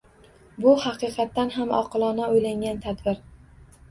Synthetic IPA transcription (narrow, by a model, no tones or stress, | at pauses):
bʊhɑqɨqʰɑt̪ːanɦamɒ̰qʰɨlˠɒnaojlaŋɡʲant̪ʰad̪bɪɾ